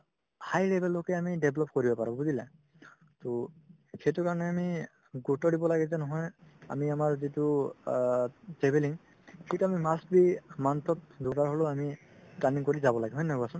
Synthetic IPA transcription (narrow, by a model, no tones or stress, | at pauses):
hajlebɛlːokɛamideblɔp̚koɹibɔpaɹɔɡuzilɛ | to | ketʊkaɹɔnɛami | ɡutɔdibɔlaɡɛzɛnɔɦɔja̰miamaɹzitu | tɹebeliŋ | ketuamimasbimant̪ʰɔt̚dukaɹɦoloami | paniŋkoɹizabɔlaɡɛɦɔjnaɡɔasʊn